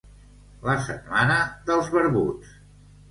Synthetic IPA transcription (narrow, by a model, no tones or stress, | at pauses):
ləsə̰t̪manəðəlˠzβəɾβṵt͡s